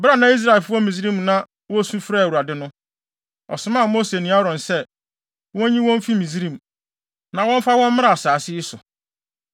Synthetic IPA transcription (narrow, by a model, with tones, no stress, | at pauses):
ba˦nã˨˦i˦s̬ɾa˨e˨lfʊ˦ɔ˦mĩ˨zi˦ɾĩ˦˨mnã˦ | wɔ̃˦sũ˦fɾa˦˨u˨ɾa˨dɪ˦nʊ̃˦ | ɔ̰˨sʊ˨mã˦˨mo˦se˨nĩ˨˦a˦ɾɔ̃˨nsɛ˦ | wɔ̃˦ɲĩ˦wɔ̃˦m˦fi˦mĩ˨zɾĩ˦˨m̩˨ | nã˨wɔ̃˦m˦fa˦wɔ̃˦m˦mɪ̃˦ɾa˦˨a˨saː˨sɪ˦ɪ˦sʊ˨